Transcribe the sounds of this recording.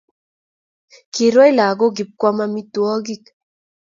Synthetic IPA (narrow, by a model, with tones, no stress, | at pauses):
ki˨ɾwɔ˦i˦la˨ɡo˦ɡi˨p̚kwa˦ma˦mi˦twɔ˦ɡi˦˨k